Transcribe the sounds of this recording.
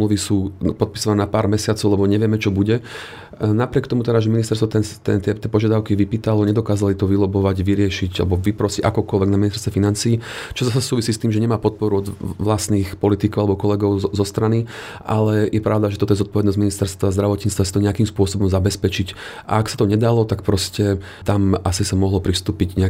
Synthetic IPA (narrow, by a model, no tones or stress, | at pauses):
mluʋisuːpɔt̪̚pisɔʋanɛːnapaːɾmɛsɪat͡sɔʊlɛbɔɲɛʋɪɛmɛt͡ʃɔbuɟɛ | napɾɪɛkt̪ɔmut̪ɛd̪aʒɛminist̪ɛɾst̪ʋɔt̪ɛnt̪ɛnt̪ɛt̪ɛpɔʒɪad̪aʊkiʋipiːt̪alɔɲɛd̪ɔkaːzalit̪ɔʋilɔbɔʋaɟʋiɾɪɛʃiɟa̰lɛbɔʋipɾɔsiɟa̰kɔkɔlʋɛɡnaminist̪ɛɾst̪ʋɛfinant͡siːt͡ʃɔzas̬asuːʋisiːst̪iːmʒɛɲɛmaːpɔt̪̚pɔɾuɔd̪ʋlast̪niːxpɔlit̪ikɔʊalɛbɔkɔlɛɡɔʊzɔst̪ɾani | ʔalɛjɛpɾʔaʊd̪aʒɛt̪ɔt̪ɔjɛzɔt̪̚pɔʋɛd̪nɔzɟminist̪ɛɾst̪ʋazd̪ɾaʋɔt̪ɲit͡st̪ʋasi̥t̪ɔɲɛakimspʊɔsɔbɔmzabɛspɛt͡ʃicʔa̰ːksḁt̪ɔɲɛd̪alɔt̪ak̚pɾɔscɛ | t̪amʔasisamɔɦlɔpɾist̪uːpiɟɲɛa